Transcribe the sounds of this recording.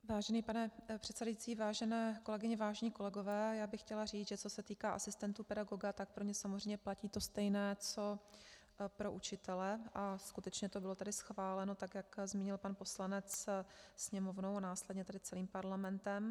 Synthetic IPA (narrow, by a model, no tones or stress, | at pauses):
vaːʒɛniːpanɛpr̝̥ɛt̪sɛdajit͡siːvaːʒɛnɛːko̞lɛɡɪɲɛvaːʒɛɲiːko̞lɛɡo̞vɛːjaːbɪxcɛlariːd͡zʒɛt͡so̞sɛt̪iːkaːʔasɪst̪ɛnt̪uːpɛdaɡo̞ɡat̪ak̚pɾo̞ɲɛsamozrɛjmɲɛplaciːt̪o̞st̪ɛjnɛːt͡so̞ | pɾo̞ʔut͡ʃɪt̪ɛlɛʔaskut̪ɛt͡ʃɲɛt̪obɪlo̞t̪ɛdɪsxvaːlɛno̞t̪akjakzmiːɲɪlpanpo̞slanɛt͡ssɲɛmo̞vnownaːslɛdɲɛt̪ɛdɪt͡sɛliːmpaɾlamɛnt̪ɛm